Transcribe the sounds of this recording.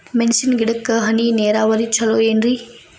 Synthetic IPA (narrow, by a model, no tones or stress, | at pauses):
mensinɡiɽɐkːɐɦɐnineːɾaːʋɐɾit͡ʃʰɐloːenɾi